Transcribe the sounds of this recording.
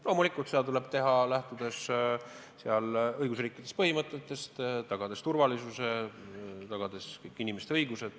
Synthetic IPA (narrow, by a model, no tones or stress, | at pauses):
lo̞ːmulikːˑult̪sed̪ɑt̪ule̞b̥̚t̪e̞ɦɑlæht̪ud̪̥e̞s | seɑlɤjɡ̥usriːkːˑid̪̥est̚pɤɦimɤt̪ˑːe̞t̪ːˑe̞st̪t̪ɑɡ̥ɑd̪̥e̞st̪urvɑlisuse̞ | t̪ɑɡ̥ɑd̪̥e̞skɤkːinimest̪eɤjɡ̥use̞d̪̥